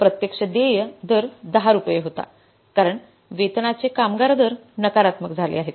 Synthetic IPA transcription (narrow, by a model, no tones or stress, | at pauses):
pɾət̪jəkʂəd̪ejəd̪əɾd̪əɦaɾupjeɦot̪a̰ | kaɾəɳ | ʋet̪nat͡sekamɡaɾd̪əɾnəkaɾat̪məkd͡zʱalḛaɦet̪